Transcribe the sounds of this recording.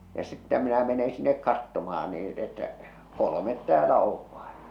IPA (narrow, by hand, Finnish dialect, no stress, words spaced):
jɑ sitːæ minæ mene sinːek kɑtːomɑh̞ɑn niː etːæ kolomet tæːlæ oʋ ʋ̥ɑ̥e̥